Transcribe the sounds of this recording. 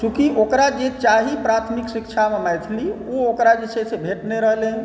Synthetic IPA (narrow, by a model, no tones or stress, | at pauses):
sũkiʔokɾad͡ʒet͡ʃaɦipɾat̪ʰmiksikt͡ʃʰamemajt̪ʰliookɾad͡ʒet͡ʃʰesebʱeʈneɾəɦlen